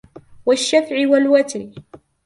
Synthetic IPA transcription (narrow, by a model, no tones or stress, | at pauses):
waʃːafʕɪwalwat̪ɾ